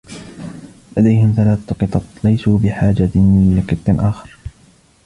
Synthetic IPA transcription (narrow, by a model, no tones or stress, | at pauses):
lad̪ajhɪmθalaːθt̪ʊqɨt̪ˤɑt̪ˤlajsuːbɪħaːd͡ʒanlɪqɨt̪ˤːɪnʔaːxɑɾ